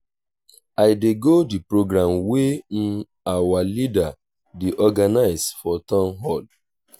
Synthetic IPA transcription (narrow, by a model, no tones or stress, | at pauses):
aɪdeɡodipɾoɡɾamwem̩ | awalida | deʔɔɡanaɪsfɔtɔ̃nɦɔd